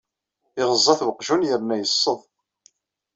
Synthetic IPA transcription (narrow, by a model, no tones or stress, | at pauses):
ɪʁəzˤːɑθvəqʒunjəɾnːæjəsˤːəðˤ